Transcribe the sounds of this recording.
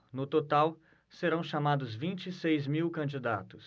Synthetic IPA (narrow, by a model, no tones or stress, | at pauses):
nʊt̪ot̪aw | seɾɐ̃w̃ʃamad̪ʊzvĩnt͡ʃisejzmiwkɐ̃nd͡ʒid̪at̪ʊ̥s